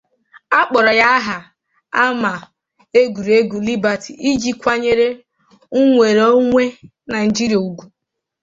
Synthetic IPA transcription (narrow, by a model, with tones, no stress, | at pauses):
a˦k͡pɔ˨ɾɔ˨ja˦ɦa˨ | a˦ma˨ | e˦ɡu˨ɾe˦ɡʷu˨li˦ba˨tʰi˨ʔi˦d͡ʒi˦kʷa˦ɲe˦ɾe˦ | u˦ŋʷe˨ɾo˦ŋʷe˦ | na˨ɪ˨d͡ʒi˦ɾi˨a˨u˨ɡʷu˨